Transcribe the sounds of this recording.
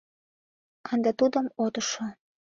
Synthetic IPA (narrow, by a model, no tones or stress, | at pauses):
ɑnd̪ɑt̪ud̪əmot̪ə̆ʃo